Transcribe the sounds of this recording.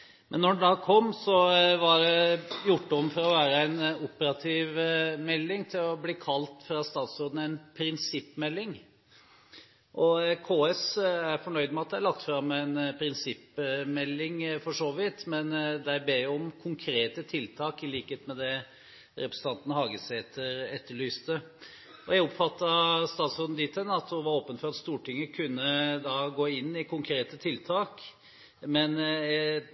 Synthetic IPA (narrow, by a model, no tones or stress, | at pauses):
mʔɛnːɔɖɖ̪ɑkʰɔmːsɔʋɑɖɛjʊʈːəɔmfɔɾɔʋæːɾəæɪnʊpəɾɑt̪ʰiːʋmɛlːɪŋt̪ʰɪlɔbliːkʰɑlt̪fɾɑst̪ɑːt̪sɔd̪ənəæɪnpʰɾɪnsɪpːmɛlːɪŋ | ʔɔkʰoːɛsæɾfɔɳœʏd̪əmɛɑt̪̚d̪æɪæɭɑkt̪fɾɑmːæɪnpʰɾɪnsɪpmɛlːɪŋfɔʂoːʋɪt̪mɛnd̪æɪbeːʊɔmkʰʊŋkʰɾeːt̪ət̪ʰɪlt̪ʰɑːkɪliːkəheːt̪mɛd̪ɛ | ɾɛpɾəsən̩t̪ɑnt̪nəhɑːɡəsæɛt̪ːəɾɛt̪ʰːəɭyːst̪ə | ɔjæɪɔpfɑt̪ːɑst̪ɑːt̪sɔnd̪ɪt̪ʰənɑt̪hʊnʋɑɾoːpənfɔɾɑt̪st̪uːʈɪŋːəkʰʉnːəd̪ɑɡoːɪnːɪkʰʊŋkʰɾeːt̪ət̪ʰɪlt̪ʰɑːk | mɛn